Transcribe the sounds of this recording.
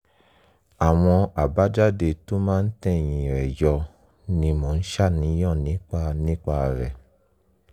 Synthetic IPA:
a˨w̃ɔ̃˧a˨ba˨˦d͡ʒa˦de˧to˦mãː˦n̩˦tɛ̃˦˨j̃ĩ˨ɛ˨jɔ˧ | nĩ˧mɔ̃˨n̩˦ʃa˦˨nĩ˨˦j̃ɔ̃˦˨nĩ˨˦k͡pa˧nĩ˦k͡pa˧˨ɾɛ˨

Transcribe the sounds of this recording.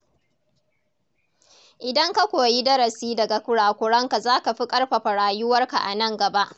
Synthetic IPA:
ʔɪ˨dɐ˦ŋka˦kʷoː˨ji˦dɐ˦ɾɐ˨siː˦dɐ˨ɡa˨kʷʊ˦ɽaː˨kʷʊ˨ɽɐ˦ŋka˨zaː˦ka˨ɸi˦kʼɐ˦rɸa˨ɸɐ˨ɽaː˨jʊ˦wɐ˦rka˨ʔa̰˨nɐ˦ŋɡɐ˨ba˦ʔ

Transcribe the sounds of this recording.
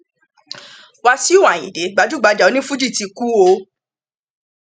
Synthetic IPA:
wa˧si˦u˦wa˨j̃ĩ˨de˨˦ɡ͡ba˨˦d͡ʒu˦˨ɡ͡ba˨˧d͡ʒa˨o˨˦nĩ˦fu˦d͡ʒi˦˨ti˧ku˦o˧

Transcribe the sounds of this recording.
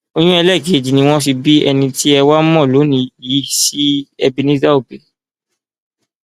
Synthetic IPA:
o˧j̃ũ˦ɛ˧lɛ˦˨ɡe˨˦˨d͡ʒi˨nĩ˧˦w̃ɔ̃˦ʃ̬i˧bi˦ɛ˧nĩ˧ti˦ɛ˧wa˦mɔ̃˦˨lo˨˦nĩ˧ji˨˦si˦ɛ˧bi˧nĩ˦za˦o˦˨be˨

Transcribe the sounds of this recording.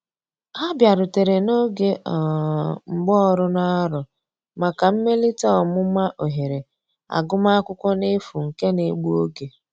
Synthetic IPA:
a˦bja˨ɾʊ˨te˨ɾe˨no˦ɡe˦ɔ˨ŋ͡m̩˨ɡ͡bɔ˦ɔ˦ɾʊ˦na˦ɾʊ˨ | ma˨ka˨m̩˦me˦li˦tɔ˦˨mʊ˦ma˦ʔo˨ɦe˨ɾe˨ | a̰˨ɡʊ˦ma˦a˦kʷʊ˦kʷɔ˦nɪ˦fu˨ŋ̩˨ke˦ne˨˦ɡ͡bu˦o˦ɡe˨

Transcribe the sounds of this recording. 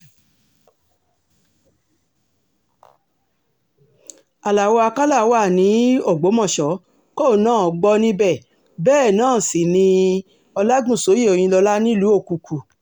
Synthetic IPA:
a˨la˨wɔ˧a˧ka˦la˦˨˦wa˦˨nĩ˨˦o˦˨ɡ͡bo˨˦mɔ̃˦˨ʃɔ˨˦ | kɔ˦˨˦nãː˦˨ɔ˨ɡ͡bɔ˧nĩ˦bɛ˦˨ | bɛː˦˨nãː˦˨si˨nĩ˧ | ɔ˧la˦ɡũ˦˨so˨˦je˦˨o˨j̃ĩ˧lɔ˧la˦nĩ˦lu˨˦o˦˨ku˨kʰu˨

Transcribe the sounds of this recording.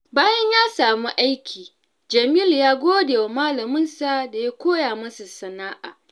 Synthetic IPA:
baː˦jɐ˦ɲjaː˦saː˨mi˦ʔa˦jkʲʰiː˨ | d͡ʒɐ˨miː˦ljaː˦ɡʷoː˦deː˨wa˨maː˦lɐ˨mʊ˦nsa˨da˨ja˦kʷoː˦jaː˨mɐ˦su˨sɐ˨naː˦ʔaː˨

